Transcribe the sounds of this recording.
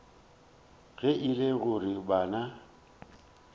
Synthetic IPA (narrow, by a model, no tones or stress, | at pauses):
ɣɛʔɪleɣʊrɪbaːna